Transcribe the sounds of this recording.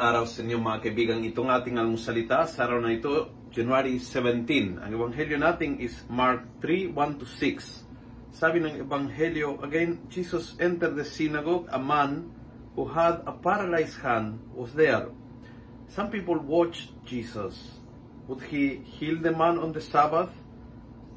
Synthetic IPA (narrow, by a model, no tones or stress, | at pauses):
aɾasenjomakebiɡaŋit̪oŋat̪ĩŋalmusalit̪asaɾanajt̪o | d͡ʒanwaɾisevɛ̃nt̪ĩnã̰ŋeβãŋɦeljonat̪ĩŋismaɾk̚θɾiwãnt̪usiksː | aβĩŋãŋebãŋheljoʔaɡẽnd͡ʒisasɛ̃nt̪əɾðesinaɡɔɡa̰mãn | huhad̪apaɾalajshãnwɔsðeɹ | sãmpipolwɔt͡ʃ | d͡ʒisas | wud̪hihild̪əmãnɔ̃nd̪əsabaθ